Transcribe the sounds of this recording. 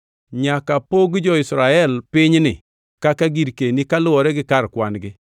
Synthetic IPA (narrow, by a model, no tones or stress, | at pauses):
ɲakapoɡd͡ʒɔɪsɾaɛlpɪɲnɪ̰ | kakaɡiɾkenikalʊɔɾɛɡɪkaɾkwanɡɪ